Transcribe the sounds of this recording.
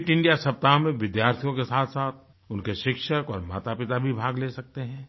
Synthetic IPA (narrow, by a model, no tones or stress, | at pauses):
ʈɪ̃ɳɖijasɐp̚t̪aːɦmẽʋɪd̪jaːɾt̪ʰijõkesaːt̪ʰsaːt̪̚ʰ | ʊnkeʃɪkʃəkɔːɾma̰ːt̪apɪt̪abʱibʱaːɡleːsɐk̚t̪eɦɛ̃ː